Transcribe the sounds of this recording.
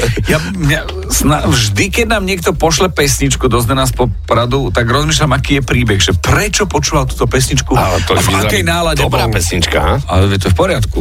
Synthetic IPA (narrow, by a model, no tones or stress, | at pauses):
ja | mɲa | snavʒd̪ikɛɟnaːmɲɪɛk̚t̪ɔpɔʃlɛpɛsɲit͡ʃkud̪ɔznɛnaːs̬pɔpɾad̪ut̪aɡɾɔzmiːʃ̬lamakiːjɛpɾiːbɛɣʒɛpɾɛt͡ʃɔpɔt͡ʃuːʋalt̪uːt̪ɔpɛsɲit͡ʃkuaɛt̪ɔavakɛjnaːlaɟɛbapɛsɲit͡ʃka̰ɦaaɛɛt̪ɔɛfpɔɾɪat̪ku